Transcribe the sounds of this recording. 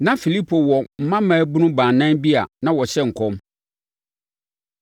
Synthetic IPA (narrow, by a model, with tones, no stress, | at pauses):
nã˦fi˨li˦pʰo˨wɔ˨m̩˨mã˦mãː˨˦bu˦nʊ̃˦bãː˨nã˦bi˦a̰˨nã˦wɔ˨ɕɛ˦ŋ̩˨kʰɔ̃˦m